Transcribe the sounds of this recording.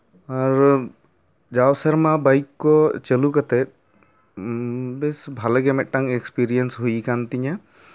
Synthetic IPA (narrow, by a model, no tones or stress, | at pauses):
aɾ | d͡ʒawsəɾmabajkːɔt͡ʃəlukat̪ɛt̚ | besbʱaləɡɛmɛʔ̚ʈːaŋekspiɾijənsɦujkant̪iɲa